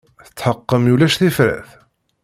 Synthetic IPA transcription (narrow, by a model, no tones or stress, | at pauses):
θə̥t͡sːħəqːəmjulæʃθifɾæ̰θ